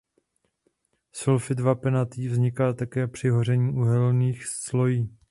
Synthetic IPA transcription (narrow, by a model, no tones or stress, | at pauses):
solfɪdvapɛnat̪iːvzɲɪkalt̪akɛːpr̥ɪɦor̝ɛɲiːʔuɦɛlniːxsslo̞jiː